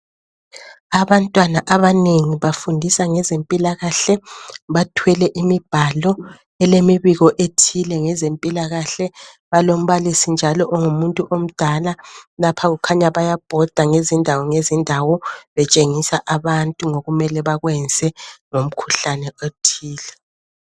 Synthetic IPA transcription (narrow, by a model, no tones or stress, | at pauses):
aβantʼwanaʔaβaneŋiβafundʱisaŋɛzempʼilaɣaɬɛβatʰwɛlɛʔimib̥ʱalɔ | ɛlemiβiɣɔʔetʰilɛŋɛzempʼilaɣaɬɛ | βalom̩βalisind͡ʒʱalɔʔɔŋumuntʼuʔom̩d̥ʱalalapʰaɣukʰaɲaβajab̥ʱɔd̥ʱaŋezindʱawɔŋezindʱawɔβɛt͡ʃʼeŋisaʔaβantʼuŋoɣumɛlɛβaɣwɛnd͡zʱɛŋom̩kʰuɬanɛʔotʰiːlɛ